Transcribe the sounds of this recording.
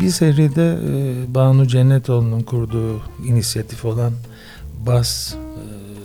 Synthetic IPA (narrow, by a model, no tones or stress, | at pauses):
biɾseɾijd̪ɛbaːnud͡ʒɛnːɛt̪ʰo̞lˠununkʰuɾd̪uːinisijat̪ʰifo̞lˠan | bas